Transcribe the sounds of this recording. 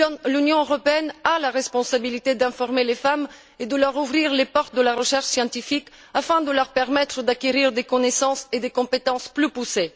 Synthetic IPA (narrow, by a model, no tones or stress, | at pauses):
lynjɔ̃øʁɔpeɛnalaʁɛspɔ̃sabilit̪ed̪ɛ̃fɔʁmelefam | ed̪əlœʁuvʁiʁlepɔʁt̪̚d̪əlaʁəʃɛʁʃsjɑ̃t̪ifik | afɛ̃d̪əlœʁpɛʁmɛt̪χəd̪akʲeʁiʁd̪ekɔnesɑ̃sed̪ekɔ̃pet̪ɑ̃splypuse